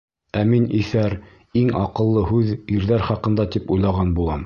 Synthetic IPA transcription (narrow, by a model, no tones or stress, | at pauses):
æminiθæɾ | iŋɑqɤ̆lˠːɤɦʉðiɾðæɾχɑqɤ̆nd̪ɑt̪ipujlˠɑʁɑnbulˠɑm